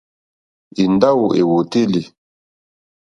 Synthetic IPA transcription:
i˨nda˦wu˨ʔe˨wo˨te˦li˨

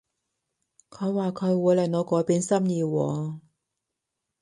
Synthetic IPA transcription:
kʰɵ˨˧jwaː˨˩kʰɵ˨˧ɥwuː˨˧jlɐ˨˩ŋɔː˨˧kɔː˨˥jpiː˨˥nsɐ˥mjiː˧wɔː˨˧

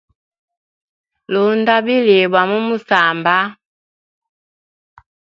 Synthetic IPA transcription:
lu˨˦nda˦bi˦li˨bwa˨mu˦mu˦sa˨mba˦

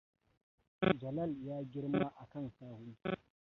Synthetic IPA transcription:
d͡ʒɐ˨lɐ˦˨ljaː˦ɡʲɪ˦ɽma˦ʔa˨kɐ˦˨nsaː˦hu˦

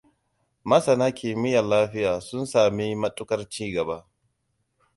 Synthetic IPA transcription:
mɐ˦sɐ˨naː˦kʲeː˨mɪ˦jɐ˨laː˦ɸɪ˦jaː˨sʊ˦nsaː˨mi˦mɐ˦tʼʊ˦kɐ˦rt͡ʃiː˦ɡɐ˨ba˦

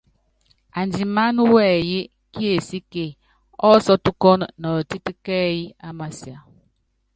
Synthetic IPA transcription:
a˨n˨d͡ʒi˨ma˦n˦wɛː˦˨je˦ | ki˦e˨si˦ke˨ | ɔ˦sɔ˦tu˦kɔ˦n˨nɔ˨ti˦ti˦kɛ˦ji˦a˦ma˨si˨a˨

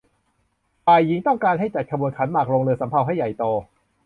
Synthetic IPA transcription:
paː˨˩jːi˩˦ŋt̪ɔ˥˩ŋkaː˧nɦa˥˩jt͡ɕa˨˩t̪̚kʰa˧bu˧ənkʰa˩˦nmaː˨˩k̚ɾoː˧ŋlɤː˧sa˩˦mpʰa˧wɦa˥˩jːa˨˩jt̪ɔː˧

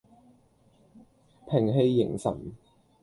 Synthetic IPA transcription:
pʰɪ˨˩ŋɦe˧jːɪ̰˨˩ŋsɐ̰˨˩n

